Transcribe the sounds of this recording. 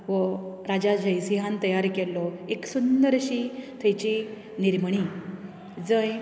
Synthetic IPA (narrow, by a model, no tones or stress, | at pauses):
ʋəɾad͡ʑad͡ʑəjsiɦãnt̪əjaɾkelːɔeksund̪əɾɕit̪ʰəjt͡ɕi | niɾmɳ̃i | d͡zəj